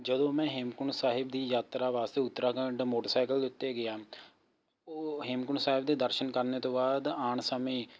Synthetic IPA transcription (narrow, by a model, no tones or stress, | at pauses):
d͡ʒəd̪õːmɛ̃ːɦɪmkʊɳsaːɦɪbd̪iːjaːt̪ɾaːʋaːst̪eːʊt̪ːɾaːkəɳɖmoːʈəsaːɪkəld̪ʊt̪ːeːɡɪjaː | oːɦɪmkʊɳsaːɦɪb̚d̪eːd̪əɾʃənkəɾneːt̪õːbaːd̪aːɳsəmeː